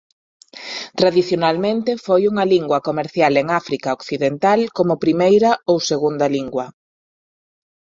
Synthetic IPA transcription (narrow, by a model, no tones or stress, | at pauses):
t̪ɾaðiθjonalmẽnt̪efojuŋɐliŋɡwɐkomeɾθjaleŋafɾikɐokθiðent̪alkomʊpɾimejɾɐowseɣund̪ɐliŋɡwɐ